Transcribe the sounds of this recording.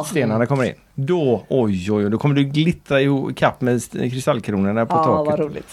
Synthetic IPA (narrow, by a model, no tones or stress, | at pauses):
st̪eːnaɳakʰɔmːəɾɪ̰nːd̪ɔɔjɔjɔjd̪ɔkʰɔmːəɖɵɡlɪt̪ɾaɪhukʰapːmɛskʰɾɪst̪alkʰɾuːnəɳapʰɔɑːɾuːlɪ̰t̪